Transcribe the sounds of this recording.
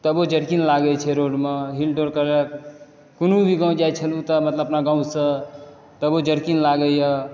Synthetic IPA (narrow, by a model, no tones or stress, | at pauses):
t̪əbod͡ʒəɽkinlaɡət͡ʃʰɛɾoɽmeɦilɖoɽkəɾe | kunubʱiɡãw̃d͡ʒajt͡ʃʰəlut̪əmət̪ləbəpnaɡãw̃sə̃ | t̪əbod͡ʒəɾkinlaɡəjə